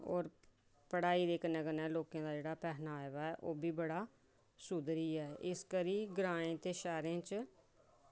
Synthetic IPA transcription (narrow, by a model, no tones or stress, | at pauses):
ɔ̰ːɾ | pəɽaːiːd̪eːknɛːɡənɛːloːkãːd̪aːd͡ʒeːɽaːpɛːɦnaːeʋaːɛːʔoːbʱiːbəɽaː | sud̪ɾiːɛːʔɪskəɾiːɡɾãːẽːt̪eːʃɛːɾẽːt͡ʃ